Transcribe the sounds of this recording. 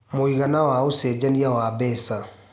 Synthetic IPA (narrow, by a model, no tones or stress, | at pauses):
moiɣanawaosɛːd͡ʒaniawabɛːsa